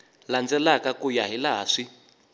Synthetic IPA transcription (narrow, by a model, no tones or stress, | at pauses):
land͡zɛlakakujaɦilaɦa̰ːʂi